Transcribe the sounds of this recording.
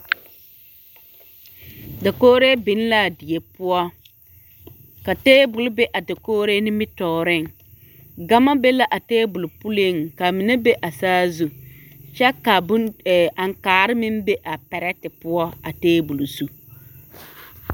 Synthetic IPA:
da˨koː˦ɾe˦bɪ˨n˦la˦˨dɪ˨e˨pʊ˦ɔ˦ | ka˨teː˦bʊ˨lʊ˦be˦ʔa˨da˨koː˦ɾe˦nɪ˦mɪ˦tɔː˨ɾɪ˦˨ŋ | ɡa˦ma˦be˦la˦ʔa˨teː˦bʊ˨lʊ˨pu˦le˦˨ŋka˨mɪ˨ne˦be˦ʔa˨saː˦zu˨ | t͡ʃɛ˦ka˨ba˨ŋkaː˨ɾɪ˦mɪ˦mbe˦ʔa˨pɛ˨ɾɛ˦tɪ˨pʊ˦ɔ˦a˨teː˦bu˨lsu˦

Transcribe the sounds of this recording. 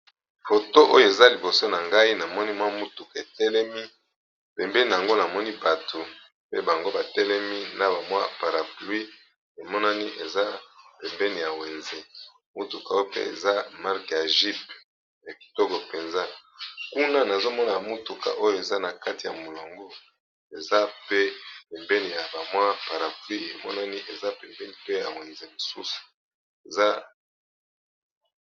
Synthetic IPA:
fo˨to˦ʔo˦jo˦˨e˨za˦li˨bo˨so˦na˨ŋɡa˦i˦na˨mɔ˦ni˦mwa˦mu˦tu˨ka˨e˨tɛ˦lɛ˦mi˦ | pɛ˨mbɛ˦ni˨a˨ŋɡo˦na˨mɔ˦ni˦ba˨tʰo˨ | pḛ˦ba˨ŋɡo˦ba˨tɛ˦lɛ˦mi˦na˦ba˨mwa˦pa˨ʁa˨plu˦i˦ | e˨mɔ˦na˦ni˦ʔe˨za˦pɛ˨mbɛ˦ni˨ja˨we˨nze˦ | mu˦tu˨ka˨o˦pḛ˦ḛ˨za˦ma˦ʁka˨ʒi˦p̚ | na˨ki̥˨to˦ko˨pe˨nza˦ku˦na˦na˨zo˦mɔ˦na˨mu˦tu˨ka̰˨ʔo˦jo˦˨e˨za˦na˨ka˦ti˨ja˨mo˨lo˨ŋɡo˦ | e˨za˦pe˦pe˨mbɛ˦ni˨ja˨ba˨mwa˦pa˨ʁa˨plwi˦e˨mɔ˦na˦ni˦ʔe˨za˦pe˨mbɛ˦ni˨pe˦ja˨we˨nze˨mo˨sṵ˦su̥˨ | e˨za˦

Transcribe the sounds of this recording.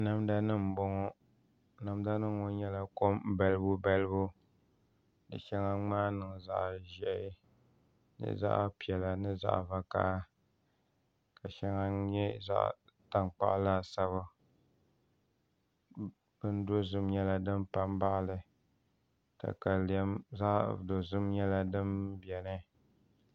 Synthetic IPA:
na˨mda˦nɨ˦m˨bo˦ŋɔ˦ | na˨mda˦nɨ˦o˦ɲɛ˦la˨ko˦m˦bɛ˦lɨ˦bʊ˦bɛ˦lɨ˦bu˦ | dɨ̰˨ʃɛ˦ŋa˦ŋ͡maː˦nɨ˨ŋ˨za̰˦˨ʔʒɛ˨ɪ˦ | nɨ̰˦za̰˦ʔpi˨ɛ˨la˨nɨ˦za̰˦ʔva˨ka̰˦ʔa˦ | ka˨ʃɛ˦ŋa˦ɲɛ˦za̰˦ʔ | ta˨ŋk͡pa̰˦ʔla˦˨sa˦βa˦ | b̥ɨ˦n˦do˦zɨ˦mɲɛ˦la˦dɨ˦mpa˦mba˦ʔlɨ˨ | ta̰˨ka˨lɛ˦mza˦ʔdo˨zɨ˦mɲɛ˦la˦dɨ˦mbɛ˨nɨ˦

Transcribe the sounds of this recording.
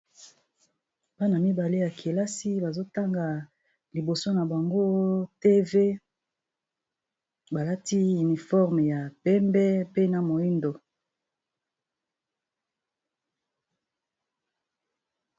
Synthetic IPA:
b̥a˦na˨mi˦ba˨le˦ja˨kʰe˨la˦si˦ba˨zo˦ta˦ŋɡa˨ | li˨bo˨so˦na˨ba˨ŋɡo˦te˦ve˦ | ba˨la˦ti˦y˨ni˨fɔ˦ʁm˨ja˨pɛ˦mbɛ˦pe˦na˨mo˨i˦ndo˨

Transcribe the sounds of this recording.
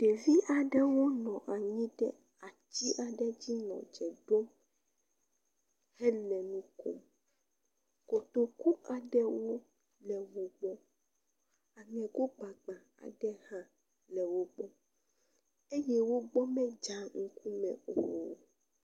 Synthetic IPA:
ɖ̥e˨vi˦ʔa˨ɖɛ˦wo˦nɔ̃˨ʔa˨ɲĩ˦ɖɛ̰˦ | a˨t͡ɕi˦ʔa˨ɖɛ˦d͡ʑi˦nɔ̰̃˨d͡ʒɛ˨ɖo˦m | hɛ˦lɛ̃˨nũ˦ko̰˦m | ko˨t̪o˨ku˦a˨ɖɛ˦wo˦ | lɛ˨wo˨ɡ͡bɔ˦ | a˨ŋɛ̃˨ɡo˦ɡ͡ba˨ɡ͡ba˨ | a̰˨ɖɛ˦hã˦ | lɛ˨wo˦ɡ͡bɔ˦ | e˦jɛ˦wo˦ɡ͡bɔ˦mɛ̃˦d͡ʒa˦ŋ̩˦ku˦mɛ̰̃˨o˨

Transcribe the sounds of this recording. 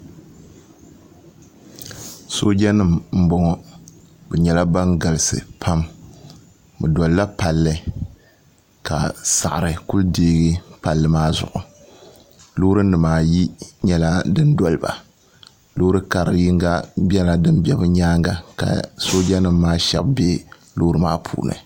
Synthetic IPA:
so˦d͡ʒa˦nɨ˦mm̩˦bɔ˦ŋɔ˦ | bɛ˨ɲɛ˨la˦ba˦ŋɡa˨lɨ˨sɨ̰˨pʰa˦m | ɨ˨dɔ˨lla˦pa˨lːɨ˦ | ka̰˨sa˨ʔɾɨ˨ku˦ldeː˦ɡɨ˦pa˨lːɨ˨maː˦zʊ̰˨ʔʊ˨ | lo˦ɾɨ˦n˦dɨ˨maː˦˨ji˦ɲɛ˦la˦dɨ˦ndɔ˨lba̰˨ | lo˦ɾɨ˦ka˨ɾɨ̰˨ji˦ŋɡa˦bʲɛ˦la˦dɨ˦mbʲɛ˦bɨ˦ɲaː˦ŋɡa̰˨ka̰˨so˦d͡ʒa˦nɨ˦mːaː˦ʃɛ̰˨b̚be˦ | loː˦ɾɨ˦maː˦pʰṵː˨nɨ̰˨

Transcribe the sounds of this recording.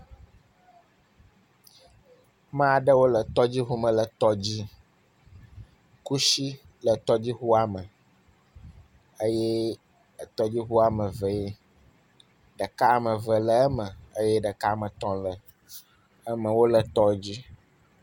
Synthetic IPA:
mã˦˨ɖə˦wo˦lə˨t̪ɔ˦d͡ʑi˦ɦu˦mə̃˨lə˨t̪ɔ˦d͡ʑi˦ | ku˦ʃi˦ | lə˨t̪ɔ˦d͡ʑi˦xu˦a˨mə˨ | ə˦jɛ˦˨ | t̪ɔ˦d͡ʑi˦ɦu˦a˨mə̃˨və˨e˦ | ɖə˨ka˦˨mə̃˨və˨lə˨ə˦mə̃˨ə˦jɛ˦ɖə˨ka˦˨mə̃˨t̪ɔ̃˨˦lə˨ | ə˦mə̃˨wo˦lə˨t̪ɔ˦d͡ʑi˦

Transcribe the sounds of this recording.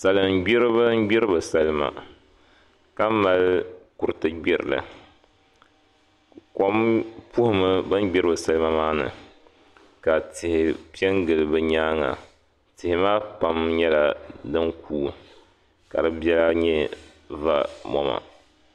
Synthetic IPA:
sa˨lɨ˨m˨˦ɡ͡bi˦ɾɨ˦bɨ˦n˦ɡ͡bi˦ɾɨ˦bɨ˨sa˦lɨ˦ma̰˨ | ka˦ma˨lku˨ɾɨ˨tɨ˦ɡ͡bɛ˦ɾɨ̰˨lɨ̰˨ | kɔ˦mpu˦hʊ˦mɨ˦bɨ˦n˦ɡ͡bi˦ɾɨ˦bɨ˨sa˦lɨ˦ma˦maː˦nɨ̰˨ | ka˨tɪ˨hɪ˨pi˦ɛ˦ŋɡɨ˨lɨ˨bɨ˦ɲaː˦ŋa̰˨ | tɪ˨hɪ˨maː˦pa˦mɲɛ˦la˨dɨ˦ŋkʰuː˦ | ka̰˨dɨ˦bɛ˦la˦ɲɛ˦ | va̰˦mɔ̰˦ma̰˨

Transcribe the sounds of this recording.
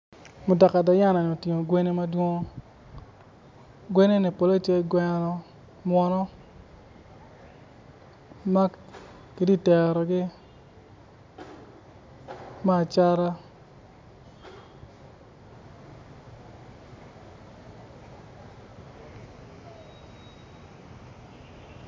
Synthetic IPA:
mʊ˨da˨ka˨dɔ˨ja˦na˨nɔ˨tji˨ŋo˨ɡwe˦ne˦ma˦dwo˦ŋo˦ | ɡwe˦ne˦ni˨po˨le˦t͡ʃe˦ɡwɛ˦nɔ˦ | mwɔ˨nɔ˦ | ma˦ | ke˨di˦˨tɛ˨ɾɔ˨ɡɪ˦ | ma˦˨t͡ʃa˦ɾa˦

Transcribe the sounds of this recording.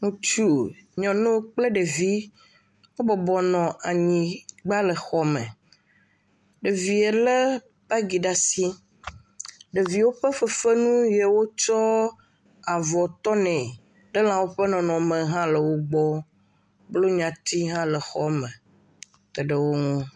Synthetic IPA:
ŋũ˦t͡ʃu˦ɲɔ̃˨nẽ˦wo˦k͡ple˦ɖe˨vi˦ | wo˦bɔ˨bɔ˨nɔ̃˨ʔa˨ɲĩ˨ɡ͡ba˦lə˨xɔ˦mẽ˨ | ɖe˨vi˨e˨lə˦ | pɛ˦ɡi˨ɖa˨si˦ | ɖe˨vi˨wo˦ɸə˦ɸə˦fe˦nũ˦je˨wo˦t͡ʃɔ˦ | a˨vɔ˨t̪ɔ˦nɛ̃˨ | ɖə˦l̃ã˨wo˦ɸə˦nɔ̃˨nɔ̃˨mə̃˨ɦã˦lə˨wo˦ɡ͡bɔ˦ | blo˦ɲã˨t̪i˦ɦã˦lə˨xɔ˦mẽ˨ | t̪ɛ˨ɖə˨wo˦ŋũ˦

